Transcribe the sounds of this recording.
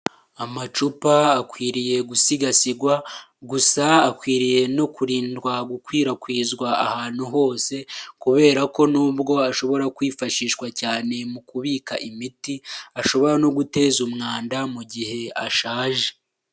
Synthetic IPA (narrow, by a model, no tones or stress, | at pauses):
amat͡ʃupaːkwiːɾije̞ɡusiɡasiɡwaɡusaːkwiːɾije̞no̞kuɾiːndɡwaɡukwiːɾakwiːzɡwaahaːn̥huɦo̞ːse̞kuβe̞ːɾako̞nuːbɡo̞aʃo̞βo̞ɾakwiːfaʃiːʃwacaːne̞mukuβiːkaʔimitiaʃo̞βo̞ɾano̞ɡute̞ːzumŋaːndamuɟihe̞aʃaːʒe̞